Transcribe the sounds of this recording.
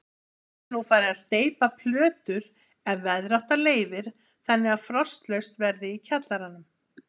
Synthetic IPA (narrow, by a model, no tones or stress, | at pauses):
nufaːɾɪast̪eːjpapʰlœːt̪ʏɾ | ɛvɛðɾawht̪aleːjvɪɾ̥ | θɛnːɪaðfɾɔst̪lœɥst̪vɛɾðɪicʰat̪laɾanːʏm